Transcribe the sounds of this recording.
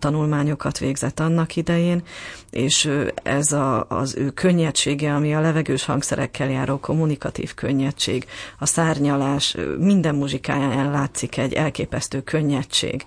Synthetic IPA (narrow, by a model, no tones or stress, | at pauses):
t̪ɒnulmaːɲo̞kɒt̪ʋeːɡzɛt̪ːɒnːɒkid̪ɛjeːneːʃɛ̰zɒ̰zøːkʰø̞ɲːɛt͡ʃeːɡɛɒmiɒlɛvɛɡøːʃhɒ̰ŋksɛ̰ɾʔɛ̰kʰːɛljaːɾolkʰo̞mːunikɒt̪ḭːfkø̞ɲːɛt͡ʃḛːɡɒsaːrɲɒlaːʃmind̪ɛmːuʒika̰ːjaːjanlaːt̪sikɛɟːɛlkeːpɛst̪øːkʰø̞ɲːɛt͡ʃḛːɡ